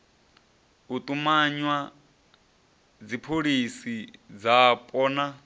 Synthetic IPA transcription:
ut̪ʼumaɲwa | d͡zipʰoɺisid͡zapʼɔːna

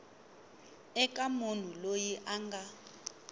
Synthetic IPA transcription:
ɛkʼamon̤ulojiʔaŋɡa

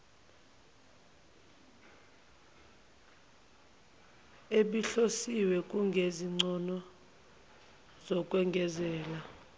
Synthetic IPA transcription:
eɓiɬosiwɛk̬ʼuŋɡʱeziŋ͡ǀɔnɔ | z̥ɔk̬ʼwɛŋɡʱɛzɛːla

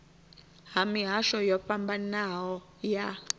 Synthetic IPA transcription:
ɦamiɦaʃɔjɔɸambanawɔ | ja

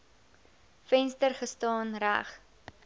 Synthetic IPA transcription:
fɛnstərχəstɑːnræ̰χ

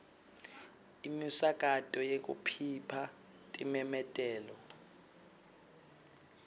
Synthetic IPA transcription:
imisak̬ʼatʼɔjek̬ʼṵpʰipʰa | tʼimɛmɛtʼɛːlɔ

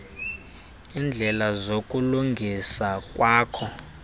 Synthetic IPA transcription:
iːnd͡ɮʱɛlazokʼuluŋɡʱisakʼwaːkʰɔ

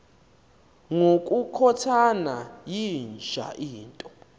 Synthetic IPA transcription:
ŋokʼukʰɔtʰanajind͡ʒʱa̰ʔiːntʼɔ

